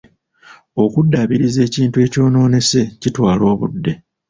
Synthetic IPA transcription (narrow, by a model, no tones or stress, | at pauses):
o̞kudːaβiɾize̞ːciːntue̞ːco̞ːno̞ːne̞se̞citwaːlo̞ːβṵdːe̞